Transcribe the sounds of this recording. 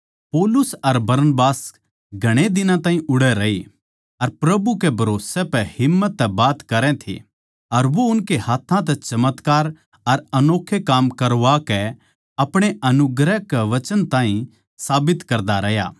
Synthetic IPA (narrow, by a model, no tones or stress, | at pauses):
poːlʊsɐɾbɐɾnəbaːs | ɡʱɐɽ̃ed̪ɪnãt̪ãːɦĩʔʊɽɛɾɐe | ɐɾpɾɐbukebʱɐɾoːsɛpɛhɪmːət̪ːɛbaːt̪kɐɾɛ̃t̪ʰḛ | ɐɾʋoʊnkehaːt̪ʰːãt̪̬ɛt͡ʃɐmət̪kaːɾ | ɐɾɐnoːkʰːekaːmkɐɾʋakɛ | ɐpɽ̃eʔɐnʊɡɾɛkɛʋɐt͡ʃənt̪ãːɦĩ | saːbɪt̪kɐɾd̪aɾɐɦja̰ː